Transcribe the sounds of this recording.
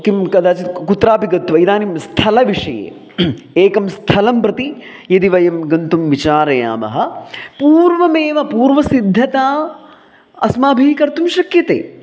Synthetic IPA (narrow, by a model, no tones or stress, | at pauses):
kimkɐd̪aːt͡ʃit̪kut̪ɾaːpiɡɐt̪ʋɐid̪aːnimst̪ʰɐlɐʋiʂɐjḛː | eːkɐmst̪ʰɐlɐmpɾɐt̪i | jɐd̪iʋɐjɐmɡɐnt̪umʋit͡ʃaːɾɐja̰ːmɐ̰ɦɐpuːɾʋɐmeːʋɐpuːɾʋɐsid̪ʱːɐt̪aː | ɐsmaːbʱiːkɐɾt̪umʃɐkjɐt̪ḛː